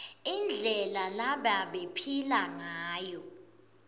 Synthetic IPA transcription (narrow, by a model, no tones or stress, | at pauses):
ind͡ɮʱɛlalaɓaɓepʰilaŋaːjɔ